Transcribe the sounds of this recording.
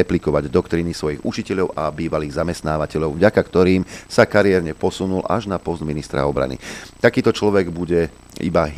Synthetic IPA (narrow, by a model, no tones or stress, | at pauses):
ɛplikɔʋaɟd̪ɔkt̪ɾiːnisʋɔjiɣut͡ʃicɛʎɔʊʔabiːʋaliːɣzamɛst̪naːʋacɛʎɔʊvɟakakt̪ɔɾiːmsakaɾɪɛɾɲɛpɔsunula̰ʒnapɔzd̪minist̪ɾa̰ɔbɾa̰nḭt̪akiːt̪ɔt͡ʃlɔʋɛɡbuɟɛ | ḭbaɦ